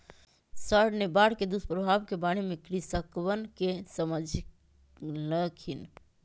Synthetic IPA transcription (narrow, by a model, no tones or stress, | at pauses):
səɽnebaɽked̪uspɾəbʱabkebaɽ̃imekɾisəkwənkesəməd͡ʒʱ | nəkʰin